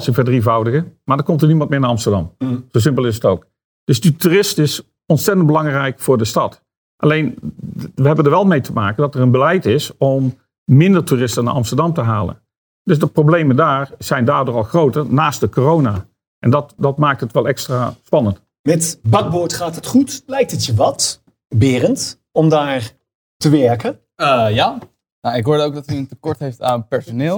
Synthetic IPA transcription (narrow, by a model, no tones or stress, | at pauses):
lˠsɛnvədrivɑwdəɣəmaːɹdəkɔmtərnimɑntmɪːɹnaɑmstəɹdɑmz̥oːs̬ɪmpəlˠɪsətowk | d̥ɵsdituːrɪstɪs | ɔnsɛtəndbəlɑŋrɛjkfʊːɹdəstɑt | ʔa̰lejnʋəɦɛbəndəɹʋɛlˠmejtʰəmaːkəndɑtərənbəlɛjtɪsɔmː | ɪndərtuːrɪstəna̰ɹɑmstəɹdɑmtəɦaːlə̰n | d̥øsdəprowblejməndaːrz̥ɛjndaːrdoːɹɑlˠxrowtərnaːst̚dəkorownaː | ʔɛndɑtdɑtmaːk̚tɦətʋɛlˠɛkstraːspɑnənt | mɛtbɑɡ̚boːɹtχaːtɦətχutlɛjk̚tətjəʋɑt | bɪːrənt | ɔmdaːɹ | təʋɛɹkə | jaː | naɪkɦoːdəowɡdɔtyəntəkɔɹtɦejftanpɛɹsonɪːlˠ